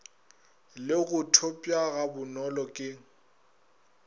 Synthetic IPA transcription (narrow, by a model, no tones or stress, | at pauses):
lɪɣʊtʰopʼjaɣabʊnɔlɔkʼɪ